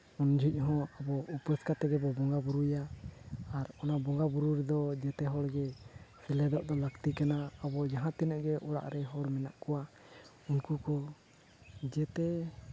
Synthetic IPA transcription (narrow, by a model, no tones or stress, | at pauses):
und͡ʒʱuc̚ˀɦɔ̃abɔupɾɛskat̪ɛɡɛbɔbɔŋɡabuɾujaː | ɾɔnabɔŋɡabuɾuɾɛd̪ɔd͡ʒɛt̪ɛɦɔɽɡɛsɛlɛd̪ɔʔd̪ɔləkt̪ikanaːbɔd͡ʒaɦãt̪ɛnəʔɡɛʔɔɽa̰ʔɾɛɦɔɾmɛna̰ʔkɔwa | unkukɔ | d͡ʒɛt̪ɛ